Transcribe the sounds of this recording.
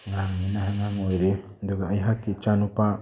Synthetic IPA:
ŋaŋinaɦaŋaŋojɾe | d̪uɡaajɦakit͡ʃanupa

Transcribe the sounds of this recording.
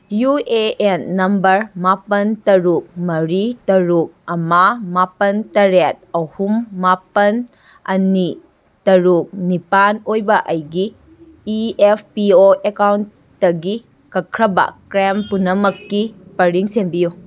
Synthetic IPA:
jueenːɐmbɐɾmapɐntɐɾuk̚mɐɾitɐɾuk̚ɐmɐmapɐntɐɾet̚ɐhumːapɐn | ɐni | tɐɾuk̚nipanojbɐʔɐjɡiː | epʰpioʔekawntː | ɐɡi | kɐkʰɾɐbɐ̰kɾempunɐmɐkːipɐɾiŋsembiju

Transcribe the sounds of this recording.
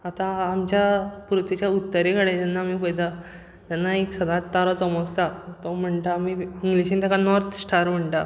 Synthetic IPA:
at̪ãːmt͡ɕjapɾut̪ʋit͡ɕjaut̪ːəɾekəɽẽt̪anːaːmiːpəjd̪a | t̪janːaeksəd̪ãt̪ːaɾɔt͡səməkt̪at̪ɔm̤əɳʈaːmiiŋɡliɕĩːt̪akanɔɾt̪ʰsʈʰaɾm̤əɳʈa

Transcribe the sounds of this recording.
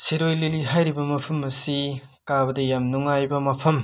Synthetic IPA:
siɾojliliɦajɾibɐmɐpʰɐmɐsi | kabɐdɐjamnuŋajbɐmɐpʰɐm

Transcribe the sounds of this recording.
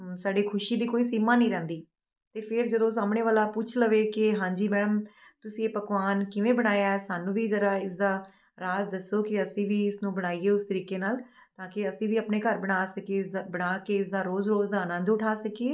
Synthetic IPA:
saːɖiːkʰʊʃiːd̪iːkoːiːsiːmaːnĩːɾɛ̃ːnd̪iː | t̪eːpʰɪɾd͡ʒəd̪õːs̬aːmɳeːʋaːlaːpʊt͡ʃʰləʋeːkɪɦãːɲd͡ʒiːmɛːɽəm | t̪ʊsĩːeːpəkʋaːnkɪʋẽːbəɽ̃aːjaːɛːsaːnũːʋiːzəɾaːɪsd̪aː | ɾaːzd̪əsːoːkɪəsĩːʋiːɪsnũːbəɽ̃aːiːeːʊst̪əɾiːkeːnaːl | t̪ãːkɪəsĩːʋiːəaːpneːkəɾbəɽ̃aːsəkeːbəɽ̃aːkeːɪsd̪aːɾoːzoːsd̪aːnə̃nd̪ʊʈʰaːsəkieː

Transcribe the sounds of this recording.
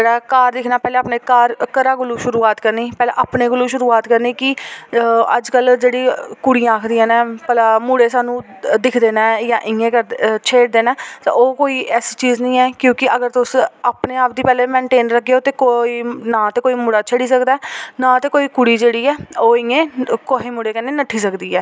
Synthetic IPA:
d͡ʒeːɽaːkaːɾd̪ɪkʰnaːpɛːleːaːpneːkaːɾkəɾaːɡʊluːʃʊɾuːaːt̪kəɾniːpɛːleːʔaːpneːɡʊluːʃʊɾuːaːt̪kəɾniːkɪ | ə̰d͡ʒkəld͡ʒeːɽiːkʊɽijãːaːkʰd̪iːãːnẽːpəlaːmuːɽeːsaːnũː | d̪ɪkʰd̪eːnaːjãːʔɪŋẽːkəɾt͡ʃʰeːɽd̪eːnaːt̪a̰oːkoːiːʔɛːst͡ʃiːznəĩːɛːkjõːkɪʔəɡəɾt̪ʊsaːpneːaːp̚d̪iːpɛːleːmɛ̃ːɳʈeːnɾəkːeoːt̪eːkoiːnãːt̪eːkoːiːmuːɽaːt͡ʃʰəɽiːsəkd̪aɛːnãːt̪eːkoːiːkʊɽiːd͡ʒeːɽiːɛːoːɪŋẽːkoɦeːmʊɽeːkənːeːnəʈʰːiːsəkd̪iːɛː

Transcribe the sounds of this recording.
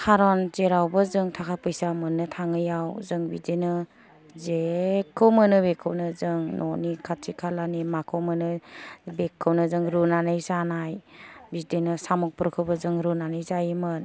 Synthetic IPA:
kʰaɾɔnzeɾawbəzɯŋtʰakʰapɯjsamɯnːɯtʰaŋɯjawzɯŋbidenɯ | zekʰːɯwmɯnɯbekʰːɯwnɯzɯŋnʔɔnikʰatʰikʰalanimakʰɯwmɯnɯbekʰːɯwnɯzɯŋɾunanɯjsanajbidenɯsamɔk̚pɾkʰɯwbəzɯŋɾunanɯjzajmɯn

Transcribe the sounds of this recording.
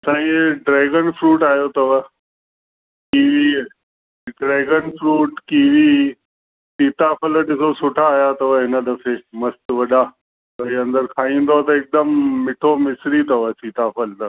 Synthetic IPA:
sãːĩɖɾɛːɡənfɾuːʈaːjot̪ɐʋə | kiːʋi | ɖɾɛːɡənfɾuːʈkiːʋi | siːt̪afəlʈɪsosʊʈʰaːjat̪ɐʋəɦɪnə̆ɗɐfemɐst̪ʋɐɗa | pɐiɐ̃nd̪əɾkʰaːĩːn̆d̪oat̪ɐɪk̚d̪əmmɪʈʰomɪsɾit̪ɐʋəsiːt̪afəlt̪ɐ

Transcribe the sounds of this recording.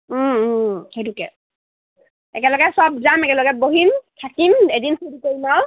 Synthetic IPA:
hedukɛ̰ | ɛ̰kɛlɔɡɛsɔbzamɛkɛlɔɡɛboɦintʰakimedinxudikoɹinaw

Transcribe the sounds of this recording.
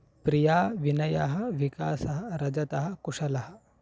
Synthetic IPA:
pɾijaːʋinɐjaɦɐʋikaːsɐɦɐɾɐd͡ʒɐt̪ɐɦɐkuʂɐlɐɦɐ

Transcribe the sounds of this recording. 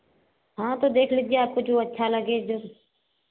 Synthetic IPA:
ɦãːt̪oːd̪eːkʰlɪɡɪjaːkʊd͡ʒʱuːətːʃʰaːləɡeːd͡ʒʊɾ

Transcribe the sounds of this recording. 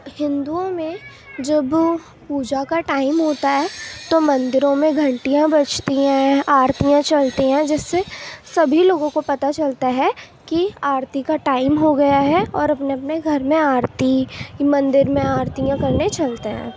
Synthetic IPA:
hɪ̃nd̪uõmẽ | d͡ʒɐb | puːd͡ʒakaʈaːɪmɦoːt̪aɦɛːt̪omɐ̃nd̪ɪɾõmẽɡʱɐ̃ɳʈijãbɐt͡ʃʰt̪iɦɛ̃aːɾt̪ijãt͡ʃɐlt̪iɦɛ̃d͡ʒɛːsːesɐbʱiloːɡõkopɐt̪at͡ʃɐlt̪aɦɛ | kiaːɾt̪ikaʈaːɪmɦoɡɐjaɦɛɔːɾɐpneɐpneɡʱɐɾmẽaːɾt̪imɐ̃nd̪ɪɾmẽaːɾt̪ijãkɐɾnet͡ʃɐlt̪eɦɛ̰̃ː

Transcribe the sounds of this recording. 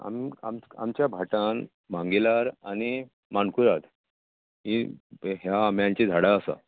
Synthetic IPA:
a̰mia̰ma̰mt͡ɕjabʱaʈãn | m̤ãŋɡelaɾani | mankuɾat̪ | ɦiɦjaːmjãɲt͡ɕid͡z̪ʱaɽaəsa̰

